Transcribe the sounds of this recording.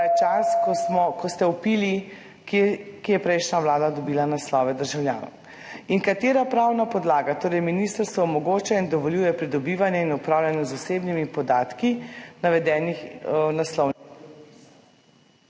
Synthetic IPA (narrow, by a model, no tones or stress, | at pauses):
ɛt͡ʃaskmɔkʰɔst̪ɛupiːli | kekijɛpɾɛjʃnaʋlaːd̪ad̪ɔbiːlanaslɔːʋɛd̪əɾʒawlja̰ːnɔ̰w | inkat̪eːɾapɾawnapɔd̪laːɡat̪oːɾɛjminist̪əɾst̪ʋɔɔmɔɡoːt͡ʃaind̪ɔʋɔljuːjɛpɾid̪ɔbiːʋanjɛinupɾaːwlʲjanjɛzuseːbnimipɔd̪aːt̪kinaʋɛd̪ɛːnixnaslɔw